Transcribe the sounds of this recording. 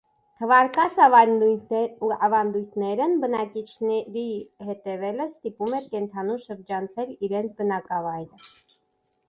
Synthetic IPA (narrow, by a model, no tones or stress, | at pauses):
t̪ʰəvɑɾkɑt͡sʰ | ɑvɑnd̪ujt̪ʰnɛɾənbənɑkit͡ʃʰnɛɾihɛt̪ɛvɛləst̪ipumɛɾkɛnt̪ʰɑnumʃəɾd͡ʒɑnt͡sʰɛliɾɛnt͡sʰbənɑkɑvɑjɾə